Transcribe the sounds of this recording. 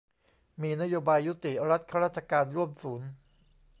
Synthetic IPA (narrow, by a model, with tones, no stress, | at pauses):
miː˧na˦˥joː˧baː˧jːu˦˥t̪i˨˩ʔɾa˦˥t̪̚kʰa˦˥ɾaː˥˩t̪̚t͡ɕʰa˧kaː˧nɾu˥˩əmsuː˩˦n